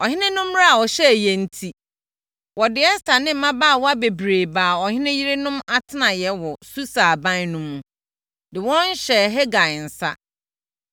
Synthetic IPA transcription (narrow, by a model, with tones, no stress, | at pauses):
ɔ˨hɪ̃˦nɪ̃˦nʊ̃˦m˦a˦a˨wɔ˨ɕɛ˦˨jɛ˨n̩˦tʰi˨ | wɔ˨dɪ˨ɛ˦sta˨nɪ̃˦m̩˨mã˦baː˦˨wɔ˦a˦be˨bɾeː˨baː˨ɔ˨hɪ̃˦nɪ̃˦ji˦ɾɪ˦nʊ̃˦ma˦tʰɪ˦nã˨jɛ˨wɔ˨su˦saː˨bã˦n˦nʊ̃˦mːũ˨ | dɪ˨wɔ̃˦n̩˦ɕɛ˨ɦɛ˦ɡa˨n̩˨sa̰˦